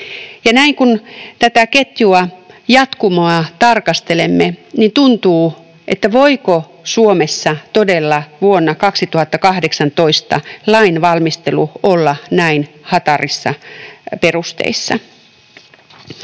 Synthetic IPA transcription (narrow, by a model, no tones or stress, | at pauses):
jɑnæiŋkunt̪æt̪æket̪juɑjɑt̪kumoɑt̪ɑrkɑst̪elemːenint̪unt̪uː | ʔet̪ːæʋoiko | suomesːɑt̪odelːɑʋuonːɑkɑksit̪uhɑt̪ːɑkɑhdeksɑnt̪oist̪ɑ̰lɑinʋɑlmist̪eluolːɑnæin | hɑt̪ɑrisːɑ̰perust̪ḛisːɑ̰